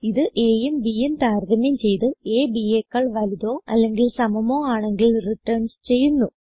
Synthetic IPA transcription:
iðɨʔeːjumbijint̪aːɾd̪ɐmjɐmt͡ɕe̞jt̪ɨeːbiekːɐɭʋɐliðo̞ːɐlːe̞ŋɡilsɐmɐmo̞ːaːɳe̞ŋɡilriʈːɐɳst͡ɕe̞jːunːu

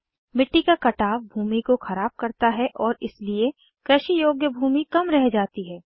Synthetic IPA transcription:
mɪʈːikakɐʈaːʋbʱuːmikoxɐɾaːb̚kɐɾt̪aɦɛʔɔːɾɪslie | kɾɛʃijoːɡjəbʱuːmikɐmɾɛɦd͡ʒaːt̪iɦɛː

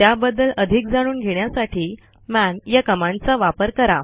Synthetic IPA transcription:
t̪jabəd̪ːələd̪ʱik̚d͡zaɽ̃uːnɡʱeɳjasaʈʰiː | manjakəmãnt͡saʋapəɾkəɾa

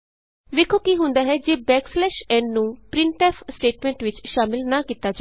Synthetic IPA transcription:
ʋɪkʰoːkiːɦʊ̃nd̪aːɦɛːd͡ʒeːbɛːkslɛːʃɛ̃ːɳɖnũːpɾɪɳʈɛːpʰsʈeːʈmɛ̃ːɳʈʋɪt͡ʃʃaːmɪlnaːkiːt̪ːaːd͡ʒa

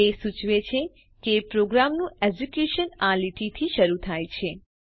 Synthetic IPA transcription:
esut͡ʃʋet͡ʃʰe | kepɾoɡɾamnũed͡ʒekjuʃənaliʈit̪ʰiʃəɾut̪ʰajt͡ʃʰe

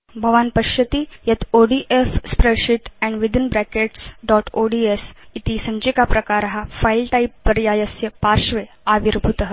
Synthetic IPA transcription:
bʱəʋanpəɕjət̪iːjɐt̪oɖiʔefspɾeɕiʈɛ̃ɳɖʋid̪inbɾækeʈsɖɔʈoɖiesit̪isə̃ɲd͡ʑikapɾɐkaɾɦafailʈaipːəɾjajəsjəpaɾʃʋe | aʋiɾbʱut̪əɦə

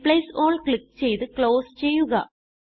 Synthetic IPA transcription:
pɭɐjsoːɭkɭik̚ːt͡ɕe̞jt̪ɨkɭoːst͡ɕe̞jːuɣɐ

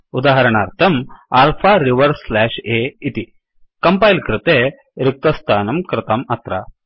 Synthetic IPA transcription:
ud̪aːɦɐɾɐɳaːɾt̪ʰɐmaːlpʰaːɾiʋɐɾslɛːʃeːit̪i | kɐmpɐːjlkɾɪt̪eː | ɾɪk̚t̪ɐst̪ʰaːnɐmkɾɪt̪ɐmɐt̪ɾɐ̰

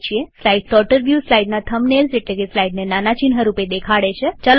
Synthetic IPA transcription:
t͡ʃʰieslaiɖsɔʈəɾbjuslaiɖnat̪ʰəmnelseʈlekeslaiɖnenanat͡ʃinɦəɾuped̪ekʰaɭet͡ʃʰet͡ʃal

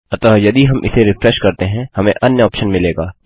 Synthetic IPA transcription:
ɐt̪ɔːjɐd̪iɦɐmʔɪ̰seɾɪfɾɛʃkɐɾt̪eɦɛ̃hɐmẽʔɐnjəɔːpʃənmɪleːɡaː

